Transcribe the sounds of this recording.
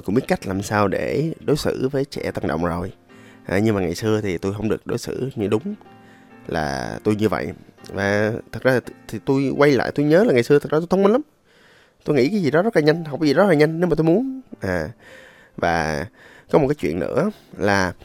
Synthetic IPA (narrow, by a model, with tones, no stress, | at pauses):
jkʊ̰˧˥ŋ͡mɓi˦˥ət̚ka˦˥jk̟̚laː˨˩msaː˧wɗe˧˩ɗo˨˦jsɨ̰˧˥vəː˨˦jt͡ɕɛ̰˧˩t̪a˧ŋɗə̰˧˨wŋ͡mzo˨˩j | ʔaː˨˩ɲɨ˧ŋmaː˨˩ŋa˨˩jsɨ˧ət̪ʰi˨˩t̪u˧jɦə˧wŋ͡mɗɨ˨˩ək̚ɗo̰˨˦jsɨ̰˧˥ɲɨ˧ɗʊ˨˦ŋ͡m | la̰ː˨˩t̪u˧jɲɨ˧və̰˧˨jʔvaː˨˩t̪ʰə˨˩zaː˧t̪ʰi˨˩t̪u˧jkwa˧jla̰ː˧˨jt̪u˧jɲəː˨˦laː˨˩ŋa˨˩sɨ˧ət̪ʰə˨˩zːt̪̬ːt̪ʰŋ͡mmi˧nla˨˦m | t̪u˧jŋḭ˧˥kaː˨˦jzi˨˩ɗɔ˨˦zə˦˥t̚laː˨˩ɲə˧jŋ̟ɦwka˨˦zi˨˩zɔ˦˥laː˨ɲə˧jŋ̟ne˨˦maː˨˩t̪u˧jmu˨˦ənʔaː˨˩ | vaː˨˩ | kɔ˨˦m̚˨˩kaː˨˦jt͡ɕwḭ˧˨ənːɨ̰˧˥ə | laː˨˩